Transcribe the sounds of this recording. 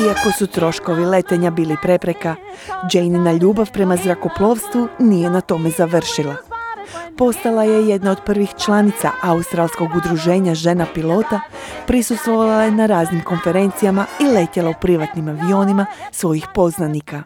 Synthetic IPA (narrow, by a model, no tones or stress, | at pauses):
iako̞sut̪ɾo̞ʃko̞ʋile̞t̪e̞ɲabiːlipɾe̞pɾe̞ka | d͡ʒejninaʎuːbaʋpɾe̞mazɾako̞plˠo̞ːʋst̪ʋunije̞nat̪o̞me̞zaʋr̩ʃilˠa | po̞st̪alaje̞je̞d̪nao̞d̪pr̩ʋixt͡ʃlanit̪sa̰ʔaust̪ɾalˠsko̞ɡud̪ɾuʒe̞ːɲaʒe̞napilo̞ːt̪apɾisust̪ʋo̞ʋalajenaɾaːznimko̞nfe̞ɾe̞nt̪sijamaile̞t̪elaupɾiʋat̪nimaʋio̞ːnimasʋo̞jixpo̞znanika